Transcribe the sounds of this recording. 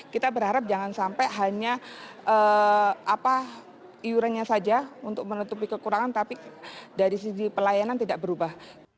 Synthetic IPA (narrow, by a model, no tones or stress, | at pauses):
kit̪abəɾhaɾap̚d͡ʒaŋansampaɦaɲaʔəapa | iuɾanɲasad͡ʒaunt̪ʊk̚mənət̪up̬ikəkuɾaŋant̪apidaɾis̬idipəlajanant̪idaʔ̚bəɾubah